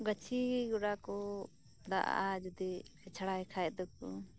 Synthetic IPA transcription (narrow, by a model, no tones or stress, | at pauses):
ɡət͡ʃʰiɡuɽakɔ | d̪a̰ʔad͡ʒud̪iɛt͡ʃʰaɽajkʰajt̚d̪ɔk̚ɔ